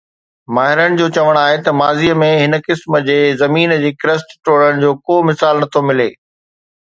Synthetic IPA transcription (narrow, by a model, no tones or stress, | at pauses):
maːɦɪɾəɽ̃ɪ̆d͡ʑoːt͡ɕɐʋəɽ̃aːɦet̪ɐmaːziəmẽɦɪnə̆kɪsmə̆d͡ʑeːzɐmiːnd͡ʑeːkɾəsʈʈoːɽəɽ̃̆d͡ʑoːkoːmɪsaːlnɐt̪ʰomɪleː